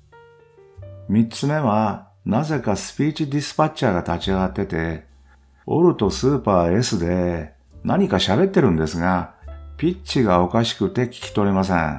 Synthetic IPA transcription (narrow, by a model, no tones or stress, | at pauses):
mʲit͡sɨme̞βa | naze̞kasɨ̥pʲiːt͡ɕid̪ʲisɨ̥pat͡ɕːaːɡat̪at͡ɕiaɡat̪ːe̞t̪e̞ | o̞̰ɾɯ̟t̪o̞sɨːpaːe̞sɨd̪e̞ | naɲ̟ikaɕabe̞t̪ːe̞ɾɯ̟̃nd̪e̞sɨɡapʲit͡ɕiɡao̞kaɕi̥kɯ̟t̪e̞kʲi̥kʲi̥t̪o̞ɾe̞mas̬ḛ̃